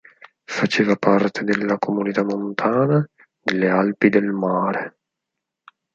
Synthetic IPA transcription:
fat͡ʃeːvapart̪ʰed̪elːakʰomunit̪amont̪ʰaːna | d̪elːealpid̪elmaːɾe

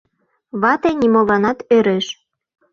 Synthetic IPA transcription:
βɑt̪enʲimoβɑnɑt̪øɾeʃ

